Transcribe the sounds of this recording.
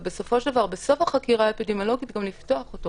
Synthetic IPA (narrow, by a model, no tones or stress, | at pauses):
be̞so̞fo̞ʃd̪avaʁbeso̞faχakiʁaepidemjolo̞ɡitɡamliftoaχoto